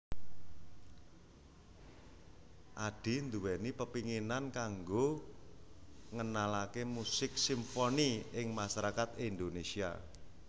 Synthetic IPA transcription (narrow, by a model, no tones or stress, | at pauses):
ʔaɖ̥i̤nd̪uwɛnipəpiŋinankaŋɡo | ŋənalakemusɪk̚simfoniɪŋmaʃaɾakat̪ind̪onesia̰